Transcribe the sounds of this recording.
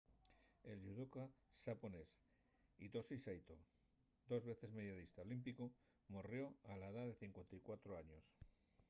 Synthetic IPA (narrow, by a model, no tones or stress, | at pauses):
e̞lʝuðukasapones | it̪o̞sisajt̪o̰ | d̪o̞zβe̞θe̞zme̞ðjaðist̪aolimpiko | morjo̞alaeðaðe̞θiŋkwe̞nt̪ajkwat̪ɾoaɲo̞s